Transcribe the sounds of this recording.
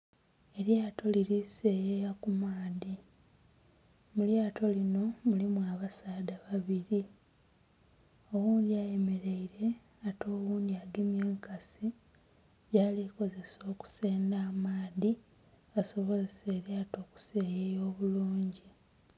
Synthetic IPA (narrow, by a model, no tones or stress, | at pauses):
e̞ɾjaːto̞liɾise̞ːjejakumaːði | muljaːtʰo̞lino̞mulimuaβasaːdaβaβiɾi | o̞wuːnd̪iaje̞me̞ɾeiɾe̞ | ato̞ːwuːnd̪iaɡemjeːŋkasi | ɟaːliko̞ze̞so̞ːku̥se̞ːndaːmaːði | aso̞βo̞zeseːɾjaːto̞ːku̥se̞ːjejo̞ːβuluːɲɟi